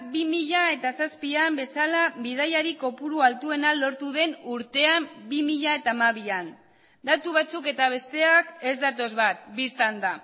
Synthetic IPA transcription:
bimiʎae̞t̪asaspiambe̞salabið̞ajaɾiko̞puɾualt̪ue̞nalo̞ɾt̪uðe̞nuɾt̪e̞ambimiʎae̞t̪amaβ̞ian | d̪at̪uβat͡suke̞t̪aβ̞e̞st̪e̞ake̞zd̪at̪o̞zβat̪̚bist̪and̪a

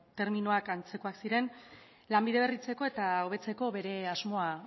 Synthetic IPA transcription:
t̪e̞ɾminoakant͡se̞ko̞aksiɾe̞n | lambiðe̞β̞e̞rit͡se̞ko̞e̞t̪ao̞β̞e̞t͡se̞ko̞βe̞ɾe̞azmo̞a

